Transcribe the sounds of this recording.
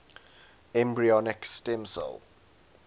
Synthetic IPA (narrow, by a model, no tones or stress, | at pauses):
ɛ̃mbɹiɔnɪkstɛ̃msə̰l